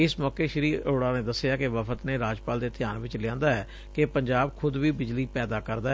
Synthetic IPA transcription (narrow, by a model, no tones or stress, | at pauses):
ɪsmɔːkeːʃəɾiːoːɽaːneːd̪əsɪjaːkeʋəpʰət̪neːɾaːd͡ʒpaːld̪eːt̪ʰɪjaːnʋɪt͡ʃlɪjãːnd̪aːɛː | kepəɲd͡ʒaːbkʰʊd̪ʋiːbɪd͡ʒliːpɛːd̪aːkəɾd̪aː